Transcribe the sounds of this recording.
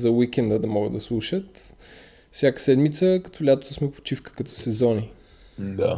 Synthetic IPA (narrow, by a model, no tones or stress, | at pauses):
zɐwikɛnd̪əd̪ɐmɔɡəd̪ɐslˠuʃət̪ | fsʲjakə̥sɛd̪mit̪səkɐ̥t̪ɔlʲat̪o̥t̪osmɛpo̥t͡ʃifkə̥kɐt̪ɔ̥sɛzɔni | d̪a̰